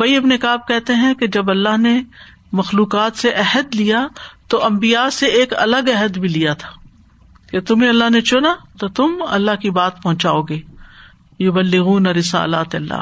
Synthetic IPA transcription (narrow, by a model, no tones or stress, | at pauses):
bɐiɪbnekaːb̚kɛɦt̪eɦɛ̃ked͡ʒɐbɐlːaɦne | mɐxluːqaːt̪seʔɛɦəd̪lijat̪oʔɐ̃mbijaseeːkɐ̰ləɡɛɦəd̪bʱilijat̪ʰḁː | ket̪ʊmẽɐlːaɦnet͡ʃʊnat̪ot̪ʊmɐ̰lːaɦkibaːt̪̚pɐɦʊ̃t͡ʃaːoːɡeː | jʊbɐlːɪɣuːnɐɾɪsa̰ːla̰ːt̪eɐlːa̰ː